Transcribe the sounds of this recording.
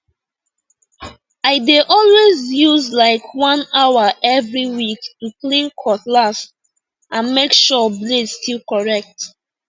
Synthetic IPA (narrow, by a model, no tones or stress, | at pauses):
aɪdeʔɔlwezjuzlaɪkʰwãnawaʔɛvɹiwiktuklĩnkʰɔθlast | ãnmekʃɔbledstʰilkɔɹɛk̚t